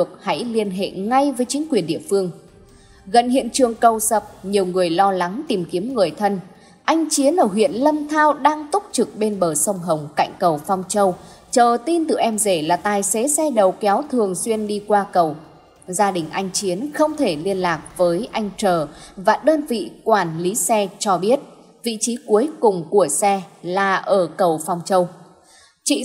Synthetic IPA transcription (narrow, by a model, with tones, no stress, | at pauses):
ɨ˨˩ək̚ha̰˧˥jli˧ənɦḛ˧˨ŋa˧jvəː˨˦jt͡ɕï˨˦ŋ̟kwi˨˩ənɗḭ˧˨əfɨ˧əŋ | ɣə˧˩nɦḭ˧˨ənt͡ɕɨ˨˩əŋkə˨˩wsə˨˩p̚ɲi˨˩əwŋɨ˨˩əjlɔ˧la˨˦ŋt̪i˨˩mki˨˦əmŋɨ˨˩əjt̪ʰə˧n | ʔa˧jŋ̟t͡ɕi˨˦ənʔəː˧˩ɦwḭ˧˨ənlə˧nt̪ʰaː˧wɗaː˧ŋt̪ʊ˦˥k͡p̚t͡ɕɨ˨˩k̚ɓe˧nɓəː˧˩sə˧wŋ͡mɦə˨˩wŋ͡mka̰˧˨jŋ̟kə˨˩wfa˧wŋ͡mt͡ɕə˧wt͡ɕəː˨˩t̪i˧nt̪ɨ˨˩ʔɛ˧mze˧˩laː˨˩t̪aː˨˩jse˨˦sɛ˧ɗə˨˩wkɛ˨˦wt̪ʰɨ˨˩əŋswi˧ənɗi˧kwaː˧kə˨˩w | zaː˧ɗï˨˩ŋ̟ʔa˧jŋ̟t͡ɕi˨˦ənxə˧wŋ͡mt̪ʰe˧˩li˧ənlaː˨˩k̚vəː˨˦jʔa˧jŋ̟t͡ɕəː˨˩vaː˨˩ɗəː˧nvḭ˧˨kwaː˧˩nli˨˦sɛ˧t͡ɕɔ˧ɓi˦˥ət̚ | vḭ˧˨t͡ɕi˨˦ku˨˦əjkʊ˨˩ŋ͡mku˧˩əsɛ˧laː˨˩ʔəː˧˩kə˨˩wfa˧wŋ͡mt͡ɕə˧w | t͡ɕḭ˧˨